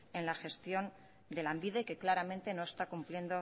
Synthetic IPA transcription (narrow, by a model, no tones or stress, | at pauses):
e̞nlaxe̞st̪jo̞n | d̪e̞lambiðe̞ke̞klaɾamẽ̞nt̪e̞no̞e̞st̪akumplje̞nd̪o̞